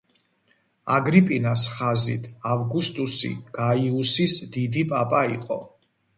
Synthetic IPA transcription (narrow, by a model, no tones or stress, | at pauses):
aɡɾipʼinasχazḭt̪ʰavɡust̪ʼusḭɡ̥aiusisd̪id̪ipʼapʼaiqʼɔ̰